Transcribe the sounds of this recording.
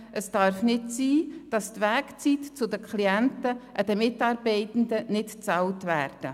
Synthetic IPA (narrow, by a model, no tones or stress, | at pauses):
ʔəsd̥ɑːɾfnɪtsiːd̥ɑst̪ʋæːkt͡sitt͡sʊdəkʰχliɛntəʔɑd̪əmɪtɑːɾbɛɪtn̩dənɪtt͡sɑltvæːɾd̥ə